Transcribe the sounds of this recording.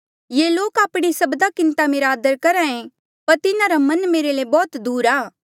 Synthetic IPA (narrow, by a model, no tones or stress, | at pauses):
jeːloːkaːpɽ̃isɐbd̪akɪ̃nt̪amɪɾaːd̪əɾkɐɾãẽ | pɐɾt̪ɪnaɾamɐnmeːɾelebɔːt̪d̪uːɾaː